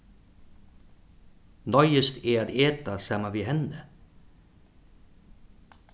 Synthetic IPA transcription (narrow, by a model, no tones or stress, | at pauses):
nɔʏəst̪ʰeːaːt̪eːt̪asɑmaʋiːhɛnə